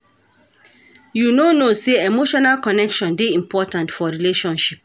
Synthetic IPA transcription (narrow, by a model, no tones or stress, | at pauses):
junonoseemoʃɔnalkɔnɛkʃɔ̃ndeĩmpʰɔtãntfɔɹileʃɔ̃nʃip̚